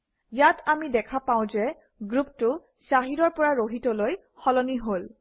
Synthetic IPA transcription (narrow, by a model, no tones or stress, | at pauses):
jatʰamidɛkʰapaʊ̃zɛ | ɡɹuptʊ | saɦidɔɹpɔɹaɹoɦitɔloj | xɔlɔniɦol